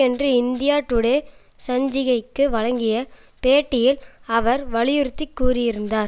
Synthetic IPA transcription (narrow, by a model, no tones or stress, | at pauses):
ɛndrɯɪnd̪ɪjaːʈːɯɽe | sɐɲd͡ʒɪɣɐɪkːɯʋɐɻɐŋɡɪjɐ | peːʈːɪjɪlɐʋɐɾʋɐɭɪjɯɾɯt̪ːɪkːuːɾɪjɪɾɯnd̪aːɾ